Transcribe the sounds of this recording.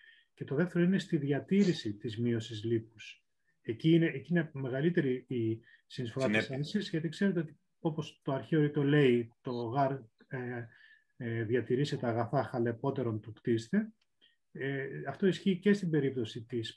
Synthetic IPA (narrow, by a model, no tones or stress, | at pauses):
ce̞t̪oðeft̪e̞ɾo̞inest̪iðʝɐt̪iɾisit̪izmio̞sizlipus | eciːneʔːciine̞meɣɐlit̪e̞ɾii | sinisfo̞ɾɐisenisizʝɐt̪ikse̞ɾe̞t̪e̞o̞t̪i̥ | o̞po̞st̪o̞ɐɾçeoɾit̪ole̞it̪o̞ɣɐɾ | ðʝɐt̪iɾiset̪ɐːɣɐθɐxɐle̞po̞t̪e̞ɾo̞nt̪ukt̪ist̪e̞ | eɐft̪o̞isçiːce̞st̪ibe̞ɾip̚t̪o̞sit̪is